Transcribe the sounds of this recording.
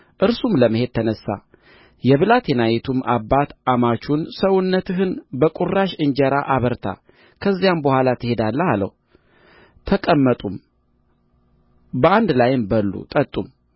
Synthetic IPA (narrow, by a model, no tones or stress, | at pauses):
ʔɨɾsumləməhe̞d̪̚t̪ʰənəsːa̰ | jɛβɨlat̪ʰjɛnajɛt̪ʰumʔabːat̪ʔamat͡ʃunsəwʊnːət̪ʰɨɦɨnbəkʼuraʃɨɲd͡ʒəɾaʔaβəɾt̪ʰa̰ | kʰəzːijambəhʷwalat̪ʰɨhe̞d̪alːəhalə̰h | t̪ʰəkʼəmːət̪ʼum | bəand̪lajɪmbəlːṵt̪ʼət̪ʼːum